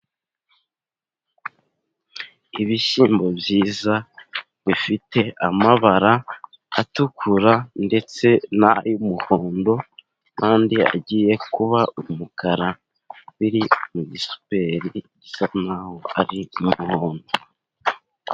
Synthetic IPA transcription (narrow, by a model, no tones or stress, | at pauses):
iβiʃiːmbo̞bjiːza | βifite̞ʔamaβaɾa | atukʰuɾande̞t͡se̞najumuhoːndo̞ | kaːndia̰ɟiːje̞kuβaumukʰaɾa | βiɾimuɟisu̥pe̞ɾiɟisanahoaɾiumuhoːndo